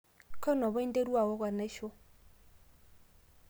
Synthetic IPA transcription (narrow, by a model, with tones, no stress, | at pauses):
kʰɔ˦nɔ˨βʊ˦i˦n˦de˦ɾu˦wa˨wɔ˦k̬wa˨ne˦ʃɔ˦